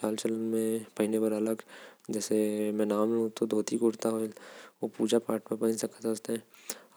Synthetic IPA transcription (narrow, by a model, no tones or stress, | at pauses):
t͡ʃaːlt͡ʃələnmẽpɐɦɪnebəɾɐləɡd͡ʒɛːsemɛ̃naːmlõt̪od̪ʱoːt̪ikʊɽt̪aɦoopuːd͡ʒapaːʈmẽpɐɦə̃nsɐkat̪əst̪eɛ̃